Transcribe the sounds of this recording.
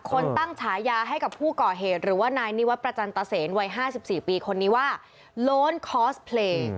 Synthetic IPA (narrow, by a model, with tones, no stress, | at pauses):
kʰo˧ntt̪a˥˩ŋt͡ɕʰaː˩˦jaː˧ɦa˥˩jka˨˩pʰuː˥˩kɔː˨˩ɦeː˨˩t̪̚ɾɯː˩˦waː˥˩naː˧jni˦˥wa˦˥t̪̚pɾa˧t͡ɕa˧nt̪a˧seː˩˦nwa˧jɦaː˥˩si˨˩p̚siː˨˩piː˧kʰo˧nːiː˦˥waː˥˩ | loː˦˥nkʰɔː˦˥spʰleː˧